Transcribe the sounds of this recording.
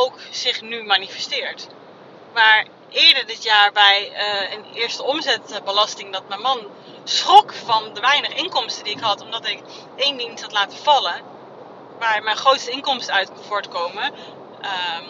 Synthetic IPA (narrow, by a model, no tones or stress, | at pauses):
owksɪχnymaːnifɛstɪːɹt | maːɹ | ʔɪːɹdəɹdɪtjaːɹbɛjənɪːɹstəɔmzɛtbəlɑstɪŋdɑt̚mɛnmɑn | sχɔkfɑndəʋɛjnəχɪŋkɔmstədiɪkɦɑtɔmdɑtɪk | ejndinsɦɑtlaːtəv̥ɑlə | ʋaːɹmɛnχrowtstəɪŋkɔmstəœɥtvʊːɹtkowmə | ə